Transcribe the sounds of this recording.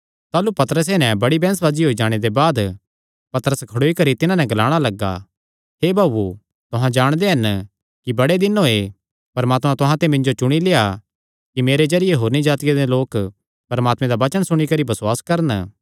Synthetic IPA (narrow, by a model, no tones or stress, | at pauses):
t̪aːlupɐt̪əɾəs̬enɛ̃bɐɽibɛ̃ːnəs̬ʋaːd͡ʒiɦoːid͡ʒaːɽ̃ed̪ebaːd̪ | pɐt̪əɾəskʰɐɽoːikɐɾit̪ɪnãnɛ̃ɡɐlaːɽ̃alɐɡa̰ | ɦeːbaːbu | t̪ʊɦãd͡ʒaːɽ̃d̪eɦɐn | kibɐɽed̪ɪnoe | pɐɾmaːt̪mãt̪ʊɦãt̪emɪ̃ɲd͡ʒot͡ʃʊɽ̃ileːa | kimeːɾezɐɾɪjeɦoːɾnid͡ʒaːt̪ɪjed̪eloːk | pɐɾmaːt̪mẽd̪aʋɐt͡ʃəɽ̃sʊɽ̃ikɐɾibɐswaːskɐɾən